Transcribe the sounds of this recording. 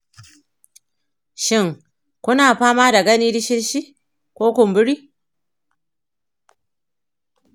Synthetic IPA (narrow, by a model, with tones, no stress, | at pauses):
ʃɪ˦˨ŋ | kʷʊ˦naː˨ɸaː˦maː˦da˨ɡɐ˦niː˦dɪ˦ʃɪ˦ɾʃi˦ | kʷoː˦kʷʊ˨mbʊ˦ɽiː˦